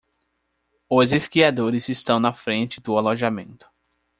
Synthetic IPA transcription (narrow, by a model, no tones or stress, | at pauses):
ʊzeskiad̪oɾɪzɪst̪ɐ̃w̃nɐfɾẽnt͡ʃɪd̪ʊaloʒamẽnt̪ʊ̥